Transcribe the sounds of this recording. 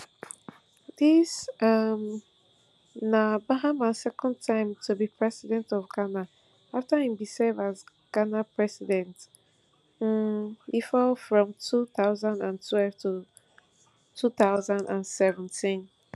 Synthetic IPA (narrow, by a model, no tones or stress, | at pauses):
disam | nãbaɦãmãsɛkʰɔ̃ntʰãɪ̃mtʰubipʰɹɛsidɛ̃ntɔvɡana | aftaĩmbisevaz | ɡ̥anapʰɹɛsidɛ̃nt | m̩ifɔlfɹɔ̃mtʰuθaʊzãndãntʰwɛlv̥tʰu | tʰuθaʊzãndãnsɛvɛ̃ntʰĩn